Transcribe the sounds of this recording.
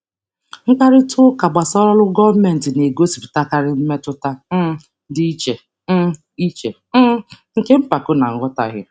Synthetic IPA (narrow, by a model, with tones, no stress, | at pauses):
ŋ̩˦ka˦ɾɪ˦tʰʊ˦ka˨ɡ͡ba˨sɔ˦ɾɔ˦lʊ˦ɡɔ˦vmɛ˨n̩˨tɪ˨ne˨ɡo˦si̥˨pta˦ka˦ɾɪ˦m̩˦me˦tʊ˦ta˦ | dɪ˦i˦t͡ʃe˨˦ | i˦t͡ʃe˨˦ŋ̩˨ke˦m̩˦pa˨kʊ˦na̰˨ŋ̩˦ɡɔ˦ta̰˨ɣɪ˦